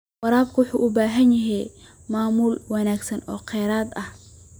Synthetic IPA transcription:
wɑɾaːbkʰʊwʊħuːʔʊbaːɦɐnjɐɦɛ | maːmuːlwɑnaːɡsɐnɔ̰ːqʰɛːɾaːd̪ɐh

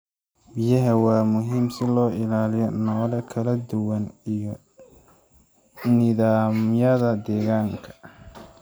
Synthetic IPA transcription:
bɪjɐɦɐwɑːmʊɦiːmsɪlɔːɪlaːlɪjɔnɔːlɐkʰɐlɐd̪ʊwɐnj | nɪðaːmjɐðɐd̪ɛːɣaːŋkʰɐ̥

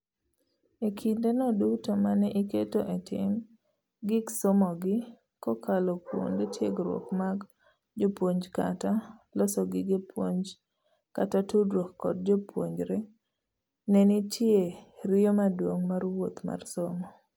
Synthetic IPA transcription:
ekʰindenɔdutomanɛʔiketoʔetʰɪ̰m | ɡɪɡsomɔɡɪ | kɔkʰalɔkwo̰ndetjeɡɾwɔ̰kmaɡ | d͡ʒopwoɲd͡ʒkatalɔsɔɡɪɡepʰwoɲd͡ʒ | katatudwokːɔ̰d̚d͡ʒopʰwo̰ɲd͡ʒɾɛ | nɛnitjeɾɪomadwoŋmarwot̪ma̰rsomɔ

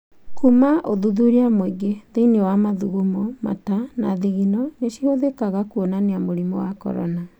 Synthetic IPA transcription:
kumaʔoðuðuɾiamoiɡeðeinewamaðuɣumɔma̰tana̰ðiɣinɔneʃihoðekaɣakuonaneamoɾimɔwakɔ̰ɾɔ̰na

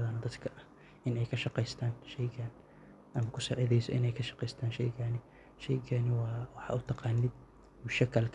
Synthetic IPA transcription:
ðɐnɐd̪ɐd̪kʰɐʔɐh | ʔɪnɛjkʰɐʃɑqɛjst̪ʰaːnʃɛjɡɐn | ʔɐmɐkʰʊsaːʕɪðɛjsɔʔɪ̰nɛjkʰɐʃɑ̥qɛjst̪ʰaːnʃɛ̰jɡanɪ | ʃɛjɡʰɐnɪwɑːwɑħɑ̰ʔʊt̪ʰɑqɑːnːɪd̪ | mʊʃɐkʰɐlkʰ

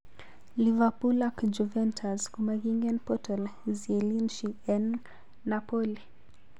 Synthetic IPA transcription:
livapulakd͡ʒuvɛntʰazkumaɣiŋɡɛnpɔtɔlzɛlinʃiɛnː | apɔli

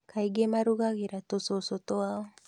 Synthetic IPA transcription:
kʰajɡemaɾuɡaɡiɾat̪ososot̪oaw

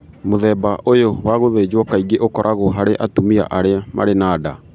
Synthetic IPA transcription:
moðɛːbaʔojowaɣoðeːd͡ʑwɔkaiɡeʔokɔɾʔaɣoɦaɾeʔatomia̰ʔaɾeamʔa̰ɾenaːda

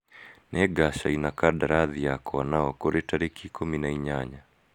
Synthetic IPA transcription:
nɛɡaʃainakaɗaɾaðijakɔwanaɔkɔɾɛtaɾikʰikɔminaiɲaɲa

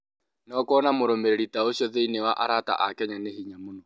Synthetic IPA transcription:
nɔkɔnamoɾomeɾeɾitaoʃjɔðeinewaʔa̰ɾata̰ʔakɛɲanehiɲamonɔ

